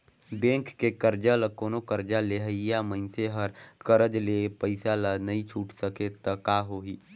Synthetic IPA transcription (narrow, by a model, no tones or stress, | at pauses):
bẽːŋkːekəɾd͡ʒaləkoːnokəɾd͡ʒaleɦəijaməɪnseɦəɾkəɾəd͡ʒlepəɪsalanəɦĩt͡ʃʰuːʈsəket̪əkaɦoɦiː